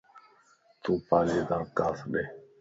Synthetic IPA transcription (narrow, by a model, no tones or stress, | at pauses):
t̪uːpaːliːd̪ãːkaːsɗeː